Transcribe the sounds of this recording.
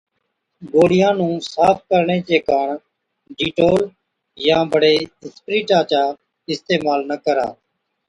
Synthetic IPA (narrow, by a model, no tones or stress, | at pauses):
ɡoːɽɪjãːnũːsaːp̚ʰkəɾɳeːt͡ʃeːkaːɳ | ɖiːʈoːl | jãːbəɽeːɪspɾiːʈaːt͡ʃaː | ɪst̪eːmaːlnəkəɾa̰ː